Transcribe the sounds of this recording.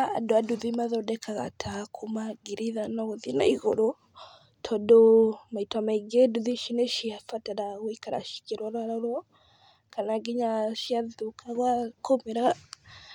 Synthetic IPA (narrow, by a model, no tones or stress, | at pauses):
a̰ːdɔaduðimaðɔdɛkʰaɣa̰tʰakʰumaɡiɾiðanaɣɔðina̰iɣɔɾɔ | tʰɔdɔmaitwamaiɡeduðiʃinɛʃiafataɾaɣikaɾa̰ʃi̥kiɾwaɾwaɾaɾ | kanaɡiɲaʃiaðukʰaɣwakomeɾaɣa